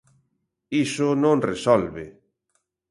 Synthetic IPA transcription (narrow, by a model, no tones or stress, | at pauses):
isʊnõnresɔlβe